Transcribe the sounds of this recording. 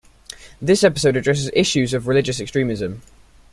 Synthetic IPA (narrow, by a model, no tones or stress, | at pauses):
ðɪsɛpɪ̥səʊɾədɹɛs̬ɪzɪʃʉzəvɹɪlɪd͡ʒəsɛkstɹ̥ĩːmɪzə̃m